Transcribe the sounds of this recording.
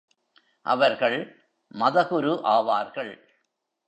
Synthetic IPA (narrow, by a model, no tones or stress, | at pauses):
ʔɐ̰ʋɐɾɣɐɭ | mɐðɐɣʊɾɯʔaːʋaːɾɣɐɭ